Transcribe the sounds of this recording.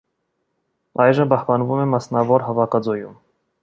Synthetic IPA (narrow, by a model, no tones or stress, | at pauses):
ɑjʒəmpɑhpɑnvumɛmɑsnɑvɔɾɦɑvɑkɑd͡zɔjum